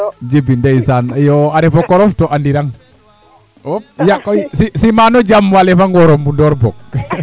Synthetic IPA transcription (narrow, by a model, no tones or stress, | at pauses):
d͡ʒibindeisanəjɔaɾɛfɔkɔɾɔftɔʔandiɾaŋ | op̚jaʔkɔisisimanɔd͡ʒamːwalefaŋwɔɾɔmundɔrbɔk̚